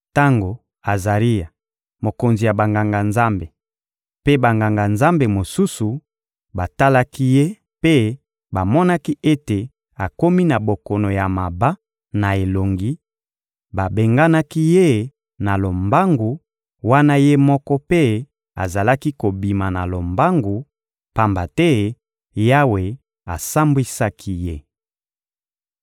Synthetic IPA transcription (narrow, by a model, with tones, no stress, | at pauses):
ta˦ŋɡo˨ | a˨za˨ʁi˦ja˨ | mo˨ko˨nzi˨ja˨ba˨ŋɡa˨ŋɡa˨nza˦mbe˨ | pe˦ba˨ŋɡa˨ŋɡa˨nza˦mbe˨mo˨su˦su˨ | ba˨ta˦la˦ki˦je˦ | pe˦ | ba˨mɔ˦na˦ki˦ʔe˦te˨ | a˨ko˦mi˦na˨bo˨kɔ˨no˨ja˨ma˨ba˦ | na˨e˨lo˨ŋɡi˦ | ba˨be˨ŋɡa˦na˦ki˦je˦ | na˨lo˨mba˦ŋɡu˨ | wa˦na˦je˦mɔ˦kɔ˦pe˦ | a̰˨za˨la˦ki˦ko˨bi˨ma˨na̰˨lo˨mba˦ŋɡu˨ | pa˨mba˨tɛ˦ | ja˦we˨ | a˨sa˦mbwi˦sa˦kʰi˦je˦